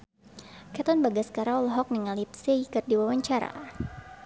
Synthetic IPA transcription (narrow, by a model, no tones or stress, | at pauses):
kat̪ɔnbaɡaskaɾalɦɔk̚niŋalip̚seikɨrdiwawaɲt͡ʃaɾa̰